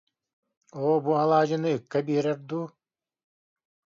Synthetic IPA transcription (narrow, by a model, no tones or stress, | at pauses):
oːbualˠɑːd͡ʒɯnɯɯkːɛbiɾɛɾd̪uː